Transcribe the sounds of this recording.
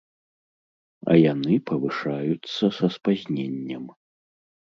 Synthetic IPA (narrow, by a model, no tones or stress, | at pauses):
ɐ̰janɨpɐvɨʂajut̪sɐsɐspazʲnʲenʲːɐm